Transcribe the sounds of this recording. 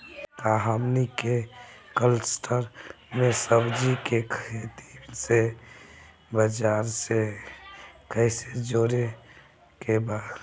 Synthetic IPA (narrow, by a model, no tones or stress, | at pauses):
t̪aɦəmnikekəlsʈʰəɾ | mesəbd͡ʒikekʰet̪ise | bəd͡ʒaːɾse | kəɪsed͡ʒoɾe | kebaːd̪